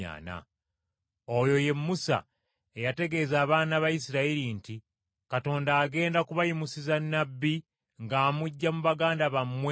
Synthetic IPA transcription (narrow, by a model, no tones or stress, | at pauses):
a̰ːna̰ | ojo̞je̞mːusa̰ | e̞jate̞ɡe̞ːzaːβaːnaβajisiɾaiɾinti | kato̞ːndaːɡe̞ːndakuβajimusizanːabːi | ŋɡaːmuɟːamuβaɡaːndaβamwe